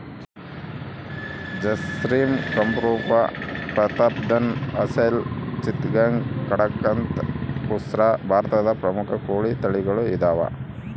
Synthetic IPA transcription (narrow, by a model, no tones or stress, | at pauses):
d͡ʒɐsɾiːmkɐmpɾuːpɐ̰pɾɐt̪ɐpd̪ɐnɐsɐjlt͡ʃit̪ɡaŋɡkɐɽɐkːɐnt̪pusɾabʱaːɾt̪ɐd̪ɐpɾɐmukʰɐkoːɭit̪ɐɭiɡɐɭuid̪aːʋɐ̰